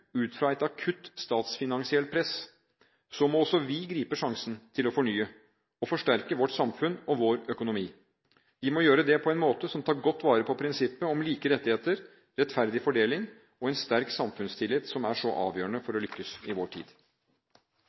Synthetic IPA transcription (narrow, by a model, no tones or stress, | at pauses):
ʉːt̪fɾɑɛt̪ɑkʰʉt̪st̪ɑːt̪sfɪnɑŋsɪɛlt̪̚pʰɾɛs | sɔmɔɔsɔʋɪɡɾiːpəʂɑŋsənt̪ʰɪlɔfɔɳyːə | ɔfɔʂʈæɾkəʋɔʈːsɑmfʉnɔʋoːɾœkʊnʊmiː | ʋɪmɔjøːɾəd̪ɛpʰɔɛnmoːt̪əsɔmt̪ʰɑːɾɡɔt̪ːʋɑːɾəpʰɔpʰɾɪnsɪpːəɔmliːkəɾɛt̪ːɪheːt̪əɾ | ɾɛt̪fæɾd̪ɪfɔɖeːlɪŋ | ɔɛnst̪æɾksɑmfʉnst̪ʰɪlɪt̪sɔmæʂɔʔɑ̰ːʋjøːɾəɳəfɔɾɔlʏkːəsɪʋoːʈʰḭːd̪̥